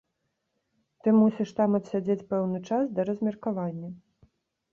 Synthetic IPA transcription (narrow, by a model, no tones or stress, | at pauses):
t̪ɨmusʲiʂt̪amɐt̪sʲad͡zʲet͡sʲpɛwnɨt͡ʂasd̪ɐɾɐzʲmʲɛrkavanʲːɐ